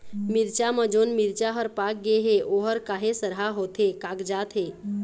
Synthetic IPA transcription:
miɾt͡ʃaməd͡ʒonmiɾt͡ʃaɦəɾpak̚ɡeɦeʔoɦəɾkaɦesəɾɦaɦot̪ʰekakd͡ʒat̪ɦe

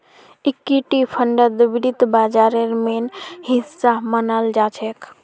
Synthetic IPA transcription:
ikːiʈipʰəɳɖəd̪əbiɾit̪bad͡ʒaɾeɾmenɦisːamənald͡ʒat͡ʃʰek

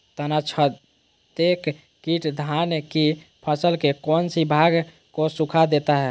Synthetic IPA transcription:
t̪ənat͡ʃʰə | t̪ek | kiʈd̪ʱanki | pʰəsəlkekɔnsibʱaɡ | kosukʰad̪et̪aɦɛ

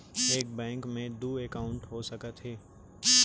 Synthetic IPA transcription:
eːk̚bɛ̃ːŋkmẽd̪uːeːkaːʊ̃ɳʈɦosɐkət̪ɦeː

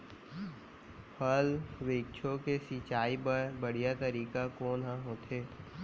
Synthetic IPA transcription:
pʰəlʋeːkt͡ʃʰokesit͡ʃaːibəɽ̤ijat̪ɐɾiːkakoːnɦãɦoːt̪ʰeː

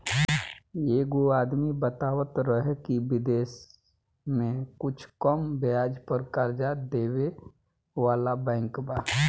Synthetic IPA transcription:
eːɡoaːd̪mibət̪aːwət̪ɾəɦekibɪd̪eːs | mẽkʊt͡ʃʰkəmbɪaːd͡ʒpəɾkəɾd͡ʒad̪eːwe | ʋaːlabɛ̃ːŋkbaː

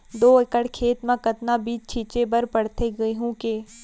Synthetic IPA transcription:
d̪oːɪkəɽkʰeːt̪mẽkɐt̪nabiːt͡ʃt͡ʃʰiːt͡ʃebəɾpɐɽt̪eɡɐeɦũkeː

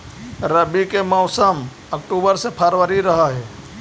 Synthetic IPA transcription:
ɾəbikemɔːsəm | ək̚ʈuːbəɾsepʰaɾʋəɾiɾəɦaɦɛː

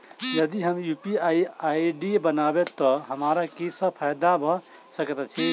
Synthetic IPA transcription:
jəd̪iɦəmjupiaiaiɖibənabet̪ːɔɦəmaɾakisə̃pʰajd̪abʱɔ | səkt̪ɛt͡ʃʰi

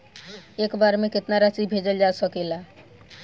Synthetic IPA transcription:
ekbaɾmeket̪naɾat͡ʃibʱed͡ʒəld͡ʒasəkɛla

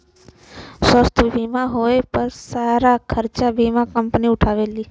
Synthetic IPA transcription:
səst̪ʰəbʱimãɦoepəɾsaɾakʰəɾt͡ʃabʱimãkəmpniʊʈʰaʋeli

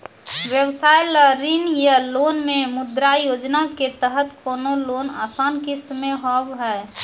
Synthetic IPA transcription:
ʋjəbsajləɾinjəlonmẽmʊd̪ɾajoːd͡ʒnaket̪əɦət̪koːnolona̰saːnkist̪mẽɦɔbɦɛ

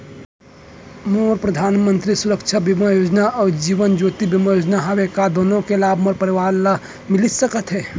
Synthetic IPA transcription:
moːɾpɾəd̪ʱaːnmə̃nt̪ɾisuɾəkʃʰabimajoːd͡ʒnaʔɔːɾd͡ʒiːʋənd͡ʒoːt̪ibimajoːd͡ʒnaɦawekad̪oːnõkelaːbʱmoɾpəɾiʋaːɾla | mɪlit̪səkət̪ɦɛː

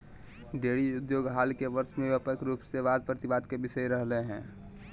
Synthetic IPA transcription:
ɖeːɽiʊd̪joːɡɦaːlkeʋəɾʃmẽəpəkɾuːpseʋaːd̪̚pɾət̪ɪbaːd̪kebɪsəiɾəɦleɦɛ̃ː

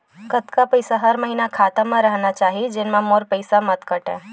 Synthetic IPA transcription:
kət̪kapəjsaɦəɾməɦinakʰat̪amãɾəɦnat͡ʃaɦid͡ʒenmãmoɾpəjsamət̪kəʈḛ

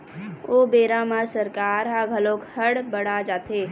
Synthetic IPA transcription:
obeːɾamaɾsəɾkaːɾɦaɡʱɐloːkhəɽbəɽ̤ad͡ʒaːt̪eː

